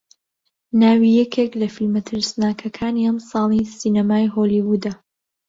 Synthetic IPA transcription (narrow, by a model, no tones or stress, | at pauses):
naːwijɛkʰeklɐfilmɐt̪ʰɨɾsnaːkʰɐkʰaːniɐmsɑːlisiːnɐmaːjɦoliwud̪ɐ